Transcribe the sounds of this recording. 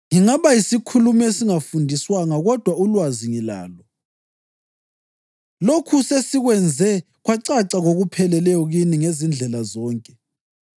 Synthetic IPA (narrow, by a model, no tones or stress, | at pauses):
ŋiŋaβajisikʰulumesiŋafundʱiswaŋaɣɔd̥ʱwaulwaziŋila̰ːlɔ | lokʰusesiɣwɛnd͡zʱɛ | ɣwaǀaǀaɣoɣupʰɛlɛlɛjɔɣiniŋezind͡ɮʱɛlazɔːŋkʼɛ